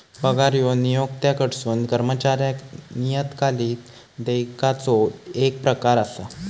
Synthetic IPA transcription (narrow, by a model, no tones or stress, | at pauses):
bəɡaɾjɔnijoɡ̚t̪jakəɽsuːnkəɾmət͡ɕaɾjaknijət̪kʰaliːt̪ | d̪ejkat͡sɔek̚pɾəkaɾasa